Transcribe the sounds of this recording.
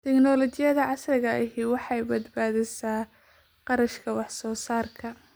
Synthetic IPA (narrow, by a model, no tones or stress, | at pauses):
t̪ʰɛknɔlɔt͡ʃɪjɐðɐʕɑslɪɣɐʔɪɦiwɑħɑjbɐd̪baːðɪsaː | qɑɾɐʃkʰɐwɑħsɔːsaːrkʰɐ